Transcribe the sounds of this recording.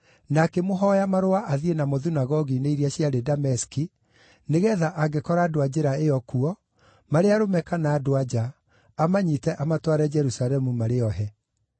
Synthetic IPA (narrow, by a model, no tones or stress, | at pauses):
nakemoɦɔjamaɾoaʔaðienamoðinaɣɔɣineiɾiaɕjaɾedamɛski | neɣɛðaʔaɡekɔɾaːdoad͡ʑeɾaeɔkuɔ | maɾeaɾomɛkanaːdoad͡ʑaː | maɲitɛʔamatwaɾɛd͡ʒɛɾusaɾɛmumaɾeɔɦɛ